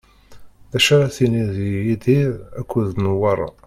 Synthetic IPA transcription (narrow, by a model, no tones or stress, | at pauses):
æʃaɾaθiniðijid̪iðækʷːuðnwɑɾˤɑ̰